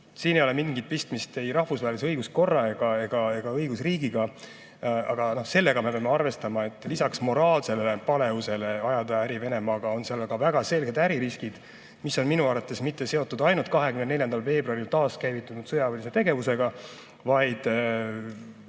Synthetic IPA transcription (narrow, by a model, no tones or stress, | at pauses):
siːnejo̞le̞minɡid̪̚pist̪mist̪e̞jɾɑhfusvɑɦeliseɤjɡusko̞rːɑe̞ɡ̥ɑe̞ɡ̥ɑe̞ɡ̥ɑɤjɡusriːɡiɡ̥ɑ | ɑɡ̥ɑno̞hse̞lːe̞ɡ̥ɑme̞peɑmeɑrve̞st̪ɑmɑe̞t̪ːˑlisɑksmo̞ɾɑːlse̞lepɑle̞use̞le̞ɑjɑd̪̥ɑæɾive̞ne̞mɑːɡ̥ɑo̞nseɑlɡɑvæɡ̥ɑse̞lɡ̥e̞d̪æɾiɾiskid̪̥ | miso̞nminuɑɾvɑt̪ːˑe̞smit̪ːe̞se̞o̞t̪ːˑud̪ɑjnult̪kɑɦe̞kymnenne̞ljɑnd̪̥ɑlve̞ːbruɑɾilt̪ɑːskæjvit̪ːˑunud̪̥sɤjɑvɑlʲise̞t̪e̞ɡe̞vuse̞ɡ̥ɑ | vɑjd̪̥